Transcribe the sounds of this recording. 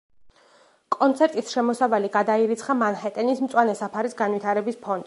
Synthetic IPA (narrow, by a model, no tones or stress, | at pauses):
kʼɔnt̪sʰɛɾt̪ʼisʃɛmɔsavaliɡad̪aiɾit̪sʰχamanhɛt̪ʼɛnismt̪sʼwanɛsapʰaɾisɡanvit̪ʰaɾɛbispʰɔnd̪